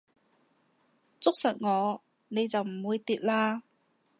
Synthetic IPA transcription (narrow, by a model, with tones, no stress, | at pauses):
t͡sʊ˥k̚sɐ˨˩t̚ŋɔː˨˧ | ne˨˧jt͡sɐ˨wm̩˨˩wuː˨˧jt̪iː˨t̚laː˧